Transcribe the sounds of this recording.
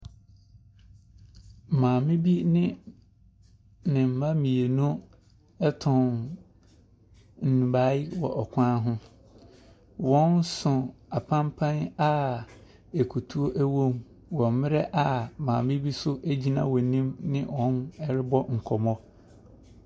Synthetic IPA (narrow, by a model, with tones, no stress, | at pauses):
mãː˨mɪ̃˦bi˦nɪ̃˦ | nɪ̃˨m̩˨mã˦mĩ˨e˨nʊ̃˦ | ɛ˦tʰʊ̃˨n | n̩˨nũ˨ba˨˦i˦wɔ̰˨ʔɔ˨kʷʰã˦ɦʊ̃˦ | wɔ̃˦nsʊ̃˨a˨pʰã˦mpʰã˦na˦ | ɛ˨kʰu˨tʰu˦o˦ʔæ˦wõ˦m | wɔ̃˨m˦mɪ̃˦ɾɛ˦ʔa˨mãː˨mɪ̃˦bi˦sʊ˦ʔæ˦d͡ʑi˦nã̰˦wɔ˨nĩ˦mnɪ̃˦wɔ̃˨˦nɛ˦ɾɪ˦bɔ˦ŋ̩˨kʰɔ˨mɔ̃˦